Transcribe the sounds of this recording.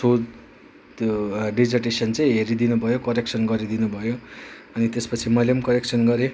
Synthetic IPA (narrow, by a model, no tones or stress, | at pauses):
sod͡z | ɖid͡zʌrʈesʌnt͡sʌ̃j̃ɦeɾid̪inubʱʌjokʌɾek̚t͡sʰʌnɡʌɾid̪inubʱʌjoʌnit̪espʌt͡sʰimʌjlemkʌɾek̚t͡sʰʌnɡʌɾe